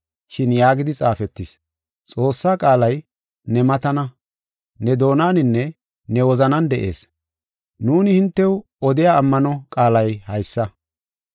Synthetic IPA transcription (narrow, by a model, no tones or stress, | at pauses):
ʃɪnjaːɡɪd̪ɪt͡sʼaːfɛt̪ːɪs | t͡sʼo̞ːsːaːkʼaːlɐj | nɛmɐt̪ɐnɐ | nɛd̪o̞ːnaːnɪnːɛ | nɛwɔzɐnɐnd̪ɛʔe̞̰ːs | nuːnɪhɪnt̪ːɛw | ɔd̪ɪjaːmːɐnɔkʼaːlɐjhɐjsːɐ